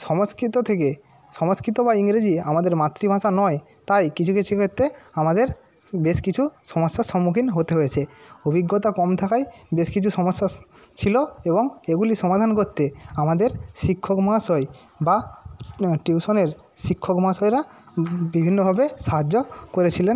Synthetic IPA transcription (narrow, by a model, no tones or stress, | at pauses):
ʃɔmoskɾit̪ot̪ʰeke | ʃɔmoskɾit̪̬obaiŋɾed͡ʑiamad̪eɾmat̪ːɾibʱaʃanɔe | t̪ajkit͡ɕʰuket͡ɕʰikʰot̪ːeamad̪eɾ | beʃkit͡ɕʰuʃɔmoʃːaʃɔmːukʰinɦot̪eɦojet͡ɕʰeobʱiɡːot̪̬akɔmt̪ʰakajbeʃkit͡ɕʰuʃɔmoʃːa | t͡ɕʰiloeboŋeɡuliʃɔmad̪ʱankoɾt̪ːeamad̪eɾʃikʰːokmaasɔj | ba | ʈiuʃoneɾ | ʃikʰːokmasɔjɾa | bibʱinːobʱabeʃaɦad͡ʑːokoɾet͡ɕʰilen